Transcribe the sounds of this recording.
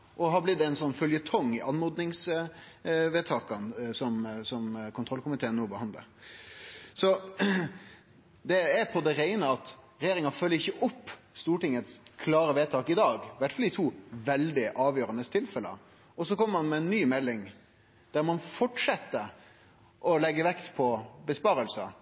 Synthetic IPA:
ʔɔɦɑblɪd̪d̪ːɛɪnsɔnːfœljət̪ʰɔŋːɪʔɑnmɔd̪nɪŋs | ʋeːt̪ʰɑːkɑnsɔmsɔmkʰʊnt̪ɾɔlkʰʊmɪt̪ʰeːənːoːbəhɑnd̪lə̰ɾ | sɔ | d̪ɛæɾpʰɔd̪ɛɾæɪnəɑt̪ | ɾɛjeːɾɪŋɑfœlːəɾɪçːəʔʊpː | st̪uːʈɪŋət̪skʰlɑːɾəʋeːt̪ʰɑːkɪd̪ɑːɡʋæʈfɑld̪ɪt̪ʰuːʋɛld̪ɪʔɑːʋjøːɾənəst̪ʰɪlfɛlə̰ | ɔsɔkʰɔmːəɾmɑnmɛɛnːyːmɛlːɪŋ | d̪̥æɾmɑnfɔʈʂɛt̪ːə | ʔɔlɛɡːəʋɛkt̪pʰɔbəspɑːɾəlsə

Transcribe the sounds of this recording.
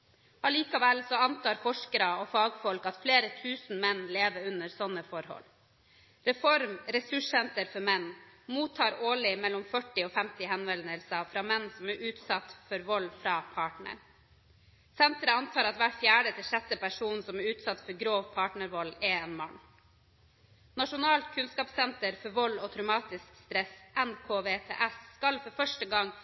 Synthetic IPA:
ɑliːkɑʋɛlsɔɑnt̪ʰɑːɾfɔʂkəɾɑɔfɑːɡfɔlkɑt̪fleːɾət̪ʰʉːsn̩mɛnleːʋəɾʉnəɾsɔnːəfɔɾhɔ̰l | ɾɛfɔɾmɾɛsʉʂsɛnt̪əɾfɔɾmɛnːmuːt̪ʰːɑːɾoːlɪmɛlːɔmfœʈːɪɔːfɛmt̪ɪɦɛnʋɛlnəlsɑfɾɑːmɛnːsɔmæɾʔʉːt̪sɑt̪fɔɾʋɔlːfɾɑːpʰɑːʈɳə̰ɾ | sɛnt̪ɾəɑnt̪ʰɑːɾɑt̪ʋæːʈfjæːɖət̪ʰɪlʂɛt̪ːəpæʂuːnsɔmæɾʉːt̪sɑt̪fɔɾɡɾoːʋpʰɑːʈɳəɾʋɔlɛɛnmɑn | nɑʂʊnɑːlt̪kʰʉnskɑːpsɛnt̪əɾfɔɾʋɔlɔt̪ʰɾʉmɑːt̪ɪskst̪ɾɛsʔɛnkʰoːʋeːt̪ʰḛːʔɛsskɑlfɔɾfœʂʈəɡɑŋː

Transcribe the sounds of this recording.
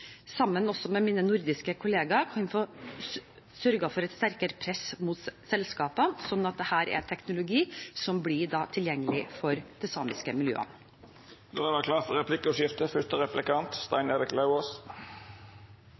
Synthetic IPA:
sɑmːənɔsɔmɛmiːnənʊɾd̪ɪskəkʰʊleːɡɑɾkʰɑnfɔ | sœɾɡɑfɔɾɛɪt̪st̪æɾkəɾəpʰɾɛsmʊt̪sɛlskɑːpəsɔnːɑt̪̚d̪ɛhæːɾɛ̰t̪ʰɛknʊlʊɡiːsɔmblɪɖɑːt̪ʰɪljɛŋːəlɪfɔɾd̪̥ɛsɑːmɪskəmɪljø̰ːə̰n | d̪oːɛd̪ɑkʰlɑːfɔɾɛpʰlɪkːəɔʂɪft̪əfʏt̪əɾɛplɪkɑnt̪st̪ɑ̰ɪneɾɪklɑʊoːs

